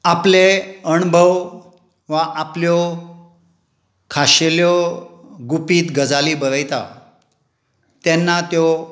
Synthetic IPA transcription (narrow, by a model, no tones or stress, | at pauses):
apleəɳbʱəʋ | ʋaʔapljɔ | kʰaɕeljɔ | ɡupiːt̪ɡəd͡zaliːbəɾəjt̪a̰ | t̪jɛnːat̪jɔ